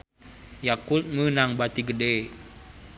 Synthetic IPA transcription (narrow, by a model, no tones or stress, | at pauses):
jakut̪̚ŋənaŋbat̪iɡədɛ